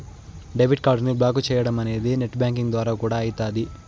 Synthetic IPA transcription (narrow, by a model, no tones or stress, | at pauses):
ɖeʋiɖkaːɾɖnublaːkut͡ʃɛːjɐɽɐmɐne̞ːd̪ineʈːbjaːŋk̬iŋɡd̪ʋaːɾaːkuːɽaːjit̪aːd̪i